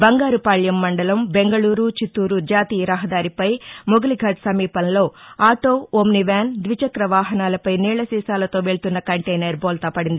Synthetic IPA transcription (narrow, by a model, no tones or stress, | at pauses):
bɐŋɡaːɾupaːɭjɐmːɐɳɖɐlɐmbe̞ŋɡɐɭuːɾut͡ʃit̪ːuːɾud͡ʒaːt̪iːjɐɾɐɦɐd̪aːɾipɐjmoɡɐliɡʱɐɖsɐmiːpɐnlo̞ːaːʈo̞ːomniʋaːnd̪ʋit͡ʃɐkɾɐʋaːɦɐnaːlɐpɐjniːɭɐsiːsaːlɐt̪o̞ːʋeɭut̪unːɐkɐɳʈejnɐɾboːlt̪ɐpɐɽind̪i